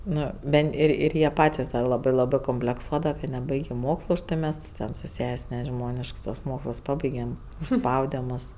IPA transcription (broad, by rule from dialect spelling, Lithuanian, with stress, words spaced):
ˈnʊ ˈbʲɛnt ˈɪr ˈɪr ɪr jiɛ ˈpɑːtʲɪs dɐ ˈlˠɑːbɜ ˈlˠɑːbɜ koːmʲpʲlʲɛkˈsuɔdɐʋɐ kɐ nʲɛˈbɐɪɡʲeː ˈmoːkslˠʊ ʊʃ ˈtɐɪ ˈmʲɛs tʲɛn sʊ ˈsʲɛsʲ nʲɛˈʒmoːnʲɪʃks tuɔs ˈmoːkslˠs ˈpɑːbɐɪɡʲɛm ʊʃˈspɐʊdʲɛ ˈmʊs